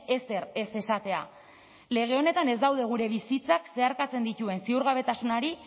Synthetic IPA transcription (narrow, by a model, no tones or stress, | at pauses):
e̞se̞re̞se̞sat̪e̞a | le̞ɣ̞e̞o̞ne̞t̪ane̞zd̪awðe̞ɣ̞uɾe̞β̞isit͡sakse̞aɾkat͡se̞nd̪it̪ue̞nsiuɾɣ̞aβ̞e̞t̪asunaɾi